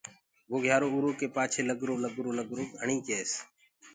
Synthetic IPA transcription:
ʋoːɡʱjaːɾoːuɾoːkeːpaːt͡ʃʰeːləɡɾoːnəɡɾoːnəɡɾoːkəɳĩːkeːs

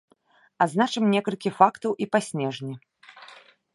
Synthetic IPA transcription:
aznat͡ʂɨmnʲɛkɐlʲkʲifakt̪ɐwʔipasʲnʲɛʐnʲi

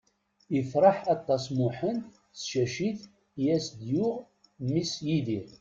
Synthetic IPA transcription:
əfɾˤɑħɑt̪ˤːɑsmʊħən | sʃæʃiθ | jæsd̪jʊʁ | misjiði

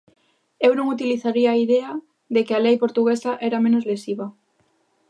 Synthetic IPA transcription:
ewnõŋut̪iliθaɾiaːiðea | ðekɪalejpoɾt̪uɣesaʔɛɾamẽnozlesiβɐ

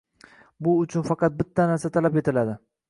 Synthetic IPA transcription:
bʊʊt͡ʃʰʊnfɑqɑt̪̚bɪt̪ʰːanaɾsat̪ʰalape̞t̪ɪlad̪ɪ

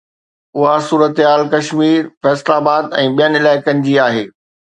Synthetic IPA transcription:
ʊɦasuːɾət̪ɦaːlkɐʃmiːɾfɛːslaːbaːd̪ɛ̃ːɓijənɪ̆ɪlaːɪkən̆d͡ʑiaːɦeː

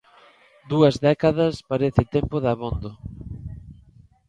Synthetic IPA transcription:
d̪uɐzðɛkaðɐspaɾeθɪt̪empʊðaβond̪ʊ

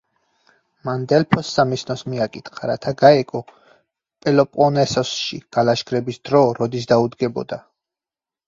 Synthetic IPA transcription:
mand̪ɛlpʰɔsːamisnɔsmiakʼit̪χaɾat̪ʰaɡaɛkʼɔ | pʼɛlɔpʼɔnɛsɔsʃiɡ̥alaʃɡɾɛbisd̪ɾɔɾɔd̪is̬d̪aud̪ɡɛbɔ̰d̪a

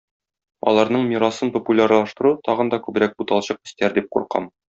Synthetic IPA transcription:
ɒ̰lˠɑɾnɤɴmʲiɾɑsɤnpŏpulʲarlˠɑʃt̪ɤ̆ɾut̪ʰɒʁɤ̆nd̪ɒkʉbɘ̆ɾæk̚but̪ɑlˠɕɤq̚ɘ̆st̪æɾd̪ip̚qṵɾqɑ̰m

